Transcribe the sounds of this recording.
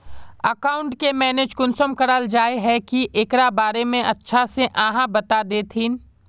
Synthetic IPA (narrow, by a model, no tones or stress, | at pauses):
əkaːʊ̃ɳʈkemɛːneːd͡ʒkʊnsəmkɐɾəld͡ʒaːeɦɛkiʔeːkɽabaːɾemẽʔɐtːʃʰaseʔãɦãbɐt̪ad̪eːt̪ʰiːn